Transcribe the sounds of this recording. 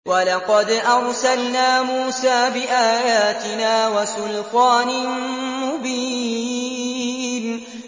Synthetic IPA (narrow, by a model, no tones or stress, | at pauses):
walɑqɑd̪ʔɑɾˤsalnaːmuːsaːbɪʔaːjaːt̪ɪnaːwasʊlqaːnɪmʊbiː | n